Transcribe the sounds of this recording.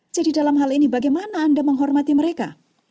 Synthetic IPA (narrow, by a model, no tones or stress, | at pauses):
d͡ʒadidalamɦalinibaɡajmanaːndaməŋɦɔrmat̪iməɾeka